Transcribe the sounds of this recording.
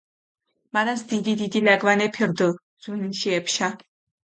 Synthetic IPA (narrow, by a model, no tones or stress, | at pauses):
manasd̪id̪id̪id̪ilaɡvanɛpʰiɾd̪ə | z̥winiʃiɛpʰʃa